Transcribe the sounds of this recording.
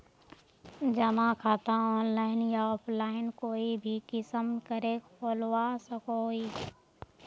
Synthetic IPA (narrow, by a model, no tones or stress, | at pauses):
d͡ʒəmãkʰaːt̪aɔːnlaːɪnjaɔːpʰlaːɪnkoːibʱikɪsəmkəɾekpoːlwasəkoi